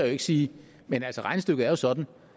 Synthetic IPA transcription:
æjoe̝ɡ̥siː | menælsəʁɑ̈ɪnəsd̥øɡ̥ð̩ˠɐjo̝sɒ̽d̥n̩

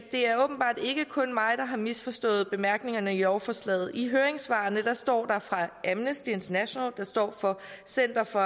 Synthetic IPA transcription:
d̥e̝æɐɔ̽ːb̥n̩b̥ɑ̰̈ːd̥e̝ɡ̥əkʰɔ̽nmɑ̈ɪd̥ɑ̈ɦɑ̈misfɒ̽sd̥ɔ̰̽ːð̩ˠb̥e̝mæɐɡ̥ne̝ŋɐnəiɒʊɐfɒslɛ̰ːð̩ˠiɦøːɐeŋsʋɑ̈nəd̥ɑ̈sd̥ɒ̰ːd̥ɑ̈fʁɑ̈ʔæmnəsd̥ie̝nt͡sʰɐnæɕo̝nɛld̥ɑ̈sd̥ɒ̰ːfɒ̽sen̰d̥ɐfɒ̽

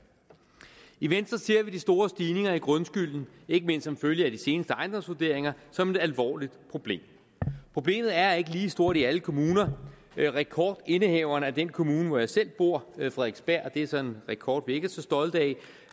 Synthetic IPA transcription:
iʋen̰sd̥ʁɐse̝ɐ̰ʋid̥isd̥o̝ːɐsd̥iːne̝ŋɐiɡ̥ʁɔnsɡ̥yl̰n̩ | e̝ɡ̥əme̝n̰d̥sɒ̽mføljəæd̥ise̝ːnəsd̥əɑ̈ɪnd̥ɒ̽msʋuɐd̥e̝ɐ̰e̝ŋɐsɒ̽me̝d̥ælʋɒ̰ːlid̥pʰʁo̝b̥le̝̰ːm | pʰʁo̝b̥le̝̰ːmð̩ˠæɐe̝ɡ̥əliːsd̥o̝ɐ̰d̥iæləkʰo̝muːnɐ | ʁɛkʰɒːd̥e̝nəheʊɐnəæd̥enkʰo̝muːnəʋɒjɑ̈ɪsel̰b̥o̝ɐ̰fʁɛðˠeɡ̥sb̥æɐ̰d̥eæsɒ̽enʁɛkʰɒ̰ːd̥ʋie̝ɡ̥æɐsɒ̽sd̥ɒ̽ld̥ɛɪ

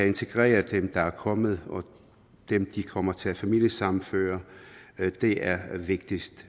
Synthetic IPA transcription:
æe̝nt͡sʰe̝ɡ̥ʁɛ̰ːɐd̥emd̥ɑ̈æɐkʰɒ̽mð̞̩ˠɒ̽ | d̥emd̥ikʰɒ̽m̰ɐt͡sʰe̝æfæmil̰jəsɑ̈mn̩fø̰ːɐ | d̥e̝ʔæɐʋe̝ɡ̥̚d̥isd̥

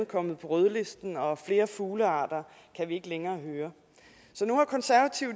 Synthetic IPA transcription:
nkʰɒ̽m̰ð̩ˠpʰɒ̽ʁøðˠle̝sd̥n̩ɒ̽fle̝ːɐfuːləɑ̈ːd̥ɐ | kʰæʋie̝ɡ̥əleŋɐːɦøːɐ | sɒ̽nuhɑ̈kʰɒ̽nsæɐʋæt͡sʰiʊ̰̥

